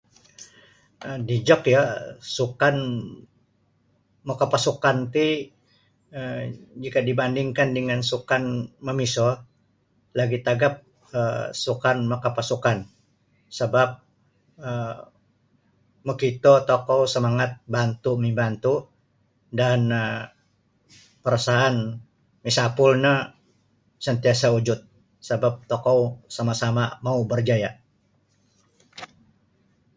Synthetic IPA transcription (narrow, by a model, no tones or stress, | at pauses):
ədid͡ʒɔkjasukan | mokapasukant̪i | əd͡ʒikadibandiŋkandəŋansukanməmiso | laɡit̪aɡap̚ | əsukanmakapasukan | səbap̚ | ə | məkit̪ot̪okowsəmaŋat̪̚bant̪umibant̪u | dan | pəɾasaɦaan | misapʊlnə | sənt̪iasaud͡ʒʊt̪̚ | səbap̚t̪okowsamasamamaubərd͡ʒaja